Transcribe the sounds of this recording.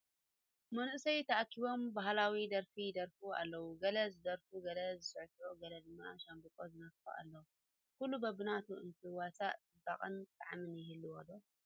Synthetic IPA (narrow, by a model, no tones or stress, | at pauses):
mɐnʔɨsɐjt̪ʰɐʔakːiβo̞mbaɦlawid̪ɐɾfijd̪ɐɾfuʔa̰lːɐwuɡɐlɐzɨd̪ɐɾfuɡɐlɐzɨsɐʕt̪ʕoɡɐlɐd̪ɨmːaʃambɨkʼozɨnɐffo̰ʔa̰lːɐwu | kulːubɐbɨnat̪ʰuɨnt̪ʰɨwasaʔɨd̪a̰χʼɨ̰nt̪ʼaʕamɨnjɪhɨlːiwɔd̪o